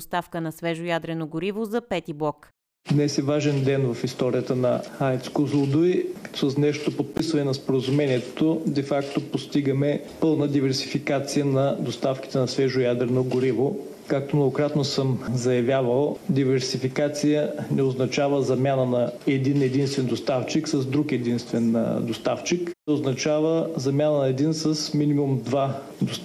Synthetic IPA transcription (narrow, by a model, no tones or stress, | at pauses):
ost̪afkənɐsvɛʒojad̪ɾɛnoɡʊɾivozɐpɛt̪iblˠɔk | d̪nɛsɛvaʒɛnd̪ɛnvɐfist̪ɔɾijət̪ənɐat̪skozlˠod̪ʊisəsnɛʃt̪opot̪̚pisvɐnɛnɐspoɾəzumɛniɛt̪od̪ɛfakt̪opost̪iɡəmɛ | pɤlˠnəd̪ivɛɾsi̥fikat̪sijənɐd̪ost̪afki̥t̪ɛnɐsvɛʒʊjad̪ɾɛnoɡʊɾivo | kak̚t̪omnoɡokɾat̪nosɤmzɐjɐvʲjavəlˠd̪ivɛɾsifikat̪sijənɛoznɐt͡ʃavəzɐmʲjanənɐɛd̪inɛd̪inst̪vɛnd̪ost̪aft͡ʃiksɐzd̪ɾukɛd̪inst̪vɛnd̪ost̪aft͡ʃiknɛoznɐt͡ʃavəzɐmʲjanənɐɛd̪insəsminimumd̪va | d̪os